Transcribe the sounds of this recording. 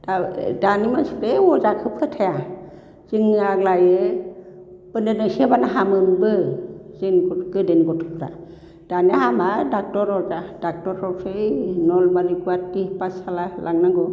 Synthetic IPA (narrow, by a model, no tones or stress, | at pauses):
d̥adanimasuɾeɔzakʰɯpʰɯtʰaja | z̥iŋːɯaɡlaje | pɯndenɯsebanaɦamɯnbɯzenɡɔɡɯdenɡɔtʰɔkɾa̰ | d̥anahamadak̚tɔɾɔwzad̥ak̚tɔɾɔwsɯjnɔlbaɾikuatipasalalʔaŋnaɡɔ